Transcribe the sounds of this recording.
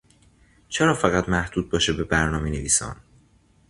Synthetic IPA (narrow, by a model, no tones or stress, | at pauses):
t͡ʃʰeɾɒːfæɣæt̪mæhd̪̥uːd̪̚bɒːʃebe̞bæɾnɒːmeneviːsɒ̰ːn